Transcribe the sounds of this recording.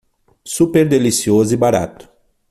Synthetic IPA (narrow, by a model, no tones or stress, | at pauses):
supeɾd̪elisiozʊibaɾa̰t̪ʊ̥